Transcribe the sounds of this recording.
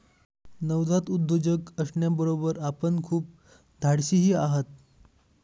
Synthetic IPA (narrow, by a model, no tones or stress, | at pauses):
nəwd̪ʱat̪ud̪ʱːod͡ʑəkəsɳjabəɾobəɾapəɳkʰuːp̚ | d̪ʱaɽɕiːɦiːaɦət̪̚